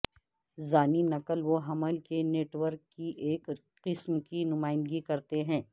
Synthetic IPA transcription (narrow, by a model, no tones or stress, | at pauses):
zaːniːnɐkəlʋoɦɐməlkeneːʈʋəɾkːiʔeːk | qɪsmkinʊmaːɪ̃nd̪ɡikɐɾt̪eɦɛ̃ː